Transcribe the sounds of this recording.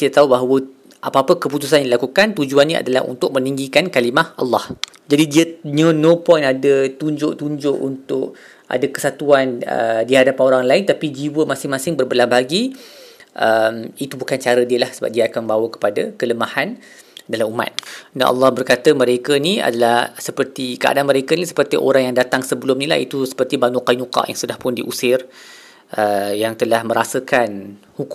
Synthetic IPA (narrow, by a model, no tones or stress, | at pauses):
kit̪at̪aɦubaɦawə | ʔapaapəkəput̪us̬anjãdilakukant̪ud͡ʒuanːĩa̰dala̰hṵnt̪ʊk̚mə̃niŋɡikankalimahʔɑ̰lːɑh | d͡ʒadidiəɲə̃nõpɔjnadət̪uɲd͡ʒʊʔt̪uɲd͡ʒʊʔunt̪ʊʔ̚ | ʔa̰dəkə̥sat̪uanə̰diɦadapanoɾaŋlaɪnt̪apid͡ʒiwəmasɪŋmasɪŋbərbəlahbaɦaɡi | ʔəmit̪ubukant͡ʃaɾədiəlahsəba̰p̚diaakanbawəkə̥padəkələmahan | dalamuma̰t̪̚da̰nʔɑ̰lˠːɑhbərkat̪əməɾekənia̰dalahsəpərt̪ikəa̰danməɾekənisə̥pərt̪iʔo̰ɾaŋjaŋdat̪aŋsəbəlʊmnila̰hḭt̪usə̥pərt̪ibanuqanuqɑ̰ʔja̰ŋsudahpʊndiʔusɪr | ʔəjaŋt̪əlahmə̃ɾasəkan | huk